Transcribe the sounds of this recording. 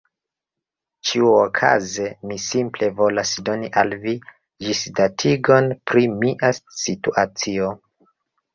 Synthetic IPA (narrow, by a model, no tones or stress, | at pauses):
t͡ʃiuokʰa̰ze̞misimple̞vo̞lasdo̞niʔalvi | d͡ʒisdatʰiɡo̞npɾimiʔasituʔat͡sio̞